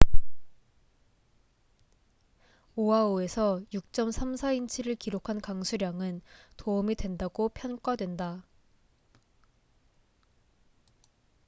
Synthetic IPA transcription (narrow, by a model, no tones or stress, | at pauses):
oɦaoe̞sʰʌjuk̚t͡ɕ͈ʌmsʰamsʰaint͡ɕʰiɾɯɭkiɾokʰankaŋsʰuɾjaŋɯntoɯmidwe̞ndaɡopʰjʌnk͈wadwe̞nda